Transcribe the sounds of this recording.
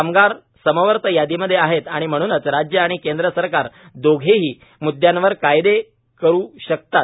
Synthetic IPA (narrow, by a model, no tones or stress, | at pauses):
amɡaɾ | səməʋəɾt̪əjad̪iməd̪ʱːjeaɦet̪aɽ̃im̤əɽ̃uːnət͡sɾad͡ʑjəaɽ̃ikend̪ɾəsəɾkaɾ | d̪oɡʱeɦiː | mud̪ʱːjanʋəɾkajd̪e | kəɾuːɕək̚t̪at̪̚